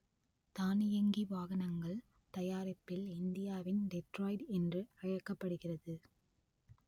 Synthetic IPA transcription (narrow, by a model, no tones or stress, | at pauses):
t̪aːnɪjɐŋɡiʋaːɣɐnɐŋɡɐɭ | t̪ɐjaːɾɐpːɪlɪnd̪ɪjaːʋɪnɖɛʈɾoːɪɖɛndrɯɐɻɐkːɐpːɐɽɯɣɪrɐðɯ